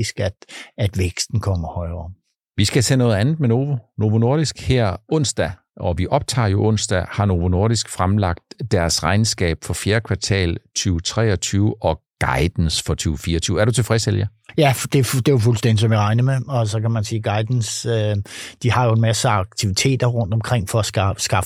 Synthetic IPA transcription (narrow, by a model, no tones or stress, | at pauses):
isɡ̥æd̥æd̥ʋeɡ̥sd̥n̩kʰɒm̰ɐhɒ̽ɪɐː | ʋisɡ̥æsʰḛːnɔ̽ːð̞̩ˠænð̩ˠmeno̝ːʋo̝no̝ːʋo̝no̝ɐd̥isɡ̥hɛɐ̰ɔ̽n̰sd̥æ | ʔɒ̽ʋiʔɒ̽b̥̚t͡sʰɑ̰̈ːjo̝ʔɔ̽n̰sd̥æhɑ̈no̝ʋo̝no̝ɐ̰ɾ̥isɡ̥fʁamlɑ̈ɡ̥̚d̥ːæɐsʁɑ̈ɪnsɡ̥ɛ̰ːb̥fɒ̽fjeːɐkʰʋɑ̈t͡sʰɛ̰ːlt͡sʰyːʊt͡sʰʁɛ̰ːɒt͡sʰyːʊɒ̽ɡ̥ɑ̈ɪd̥n̩sfɒ̽t͡sʰyːʊfiːɐɒt͡sʰyːʊæɐɾ̥ut͡sʰe̝lfʁɛsdel̰jæjæd̥e̝d̥ejofulsd̥en̰d̥isɒ̽mjiʁɑ̈ɪnəmeɒ̽sɒ̽kʰæmænsiːɡ̥ɑ̈ɪd̥n̩sød̥ihɑ̈jo̝e̝nmæsəɑ̈ɡ̥̚t͡sʰiʋit͡sʰe̝̰ːd̥ɐʁɔ̽n̰d̥ɒ̽mkʰʁeŋ̰fɒæsɡ̥ɑ̈f